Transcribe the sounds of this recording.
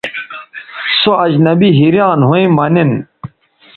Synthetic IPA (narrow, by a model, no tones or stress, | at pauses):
soɐd͡ʑnɐbiɦiɾjaːnɦuĩmɐnin